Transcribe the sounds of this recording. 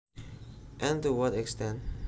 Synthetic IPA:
ʔɛ̃ntuwʌtɛkstɛ̃nt̚

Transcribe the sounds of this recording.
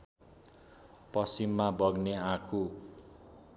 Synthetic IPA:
pʌsimːabʌɡneãkʰu

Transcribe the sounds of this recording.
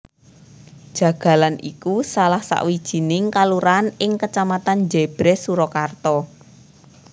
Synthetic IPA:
d̥ʒ̥ä̤ɡ̥ä̤lanʔikusalahsa̰ʔwid̥ʒ̥i̤nɪŋkaluɾanɪŋkət͡ʃamat̪and͡ʒeb̥ɾesuɾɔkart̪ɔ

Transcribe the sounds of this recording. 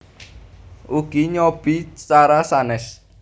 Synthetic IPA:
ʔuɡ̥iɲɔb̥isaɾasanɛs

